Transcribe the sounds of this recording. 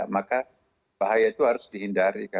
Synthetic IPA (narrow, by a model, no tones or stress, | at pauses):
amaka | baɦajat̪uhaɾʊsdiɦindaɾika